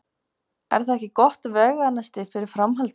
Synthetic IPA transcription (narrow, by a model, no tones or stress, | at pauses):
ɛ̰ɾ̥θaðɛhcɪkɔht̪vɛːɣanːast̪ɪfɪɾɪɾ̥fɾamɦalt̪